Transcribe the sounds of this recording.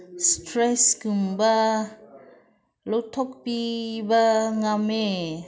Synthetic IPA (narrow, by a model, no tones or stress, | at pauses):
stɾɛsɡumba | lotʰɔk̚pibaŋame